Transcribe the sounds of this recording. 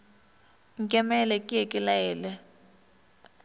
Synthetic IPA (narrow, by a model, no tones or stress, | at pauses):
ŋkʼɛmɛlɛkʼijekʼilaɛːlɛ